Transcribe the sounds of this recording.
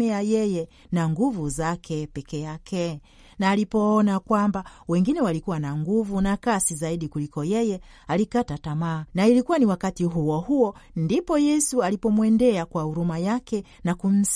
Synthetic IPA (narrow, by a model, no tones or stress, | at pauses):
ɛajɛjɛ | naŋɡuvuzakʰɛpɛkɛjakʰɛ | naːlipɔɔnakwambawɛŋɡinɛwalikuwanaŋɡuvunakasizaiɗikulikɔjɛjɛ | alikatatamaːnailikuwaniwakatiɦuwɔhuɔndipɔjɛsualipɔmwɛndɛakwahuɾumajakɛ | nakum̩s